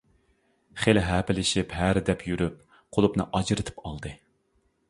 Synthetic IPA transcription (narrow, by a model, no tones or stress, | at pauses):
χelɦæpɪlɪʃipɦæɾd̪ɛpʰjyɾyp̚ | qʰolˠupnɨ̰ʔɑd͡ʒɾɨt̪ʰɨ̥pɑ̰lˠd̪ɨ